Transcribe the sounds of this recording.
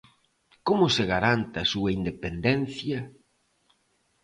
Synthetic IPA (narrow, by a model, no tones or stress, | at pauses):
komʊseɣaɾant̪ɐsuɐind̪epend̪ɛn̟θjɐ